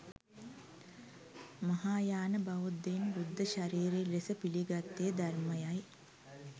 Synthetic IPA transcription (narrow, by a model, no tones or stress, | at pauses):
mɐɦaːjaːnɐbɐʋud̪ːenɾud̪ʱːɐʃɐɾiːɾelesɐpiliɡɐt̪ːed̪ɐrmɐjɐj